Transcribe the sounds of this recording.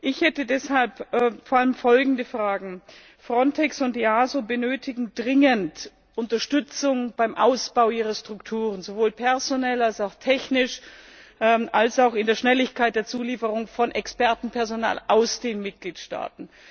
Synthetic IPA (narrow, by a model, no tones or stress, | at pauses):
ʔɪçhɛtədɛshalpːfoːɐʔaləmfɔlɡŋ̩dəfʁ̥aːɡŋ̩ | fʁ̥ɔntʰɛksʊntiaːzobənøːtʰɪɡŋ̩dʁɪŋənt | ʔʊntɐʃtʏt͡sʊŋb̥aɪmʔaʊsb̥aʊʔiːʁɐʃtʁ̥ʊktʰuːʁ̞ənzovoːlpʰɛɐzonɛlalsaʊxtʰɛçnɪʃʔʔalsaʊxɪndeːɐʃnɛlɪçkaɪt̚d̥eːɐt͡suːliːfəʁ̞ʊŋfɔnʔɛkspɛɐtn̩pʰɛɐzona̰ːlʔaʊsd̥eːnmɪt̚ɡ̥liːtʃta̰ːtn̩